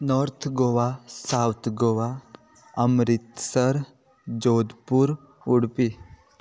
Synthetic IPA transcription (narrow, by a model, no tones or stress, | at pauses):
nɔɾt̪ʰɡoʋasawt̪ʰɡoʋa | əmɾit̪səɾ | d͡ʒoːd̪puɾ | uɽpi